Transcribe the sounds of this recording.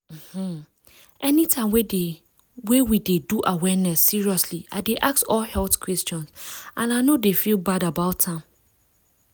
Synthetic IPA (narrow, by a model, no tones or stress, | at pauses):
m̩mm̩ | ʔɛnitʰãɪ̃mwede | wewideduʔawɛnɛsːiɹiɔsliʔa̰ɪdeʔak̚sɔlhɛltkʰwɛst͡ʃɔ̃nsʔãnaɪnodefilbadabaʊtʰːãm